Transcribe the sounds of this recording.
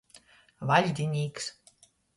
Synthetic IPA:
valʲd̪ʲinʲiːks

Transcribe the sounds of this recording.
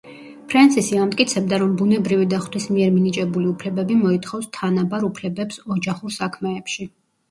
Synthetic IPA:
pʰɾɛnsʰisiamt̪ʼkʼit̪sʰɛb̚d̪aɾɔmbunɛbɾivid̪aχt̪wismiɛɾminit͡ʃʼɛbuliupʰlɛbɛbimɔit̪ʰχɔfst̪ʰanabaɾupʰlɛbɛpsɔd͡ʒaχuɾsakʰmɛːpʃi

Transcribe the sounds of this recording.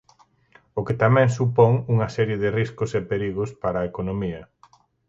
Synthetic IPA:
okɪt̪amɛ̃ŋsupɔŋuŋɐsɛɾjeðɪriskʊsepeɾiɣʊspaɾɐaːekonomiɐ

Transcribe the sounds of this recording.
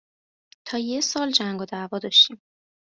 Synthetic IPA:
t̪ʰɒːjesɒːld͡ʒæŋɡod̪ævɒːd̪ɒːʃt̪iːm

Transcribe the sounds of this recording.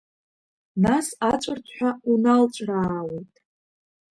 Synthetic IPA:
nasat͡ʃʷʼɨrtʰħʷᶣaunalt͡ʃʷʼraːwejtʼ

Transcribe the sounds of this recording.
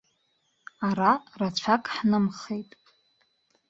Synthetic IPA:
aɾarat͡ɕʷʰakʼħnɨmχejtʼ

